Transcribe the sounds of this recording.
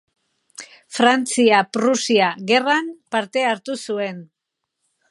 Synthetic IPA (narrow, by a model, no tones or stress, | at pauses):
fɾant͡siapɾusiaɣe̞rampaɾt̪e̞aɾt̪usue̞n